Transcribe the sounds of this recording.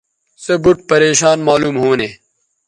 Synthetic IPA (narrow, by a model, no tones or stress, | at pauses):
sɐbuʈ̚pɐɾeːɕaːnmaːluːmɦoːneː